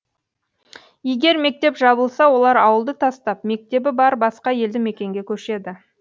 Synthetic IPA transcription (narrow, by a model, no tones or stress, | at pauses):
je̞ɡʲe̞ɾme̞k̚t̪e̞pʒɑbəlˠsɑwo̞lˠɑɾɑwəlˠd̪ət̪ʰɑst̪ɑp̚me̞k̚t̪e̞bɪbɑɾbɑsqɑje̞ld̪ɪme̞kʲe̞ŋɡʲekʲʰɵʃe̞d̪ɪ